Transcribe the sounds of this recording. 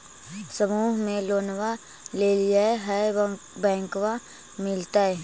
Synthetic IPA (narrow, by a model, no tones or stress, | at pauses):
səmuːɦmẽloːnwa | leːld͡ʒaeɦɛ | bɛ̃ːŋkwa | mɪlt̪aɛ